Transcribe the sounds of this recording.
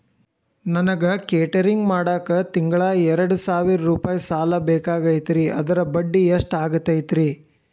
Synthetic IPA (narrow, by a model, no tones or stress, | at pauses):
nɐnɐɡɐkeːʈɐɾiŋɡmaːɽaːkɐt̪iŋɡɐɭaɛɾɐɽusaːʋiɾɐɾuːpaːjisaːlɐbɛːkaːɡɐjt̪ɾiʔɐ̰d̪ɐɾɐbɐɖːieʂʈaːɡut̪ːɐjt̪ɾi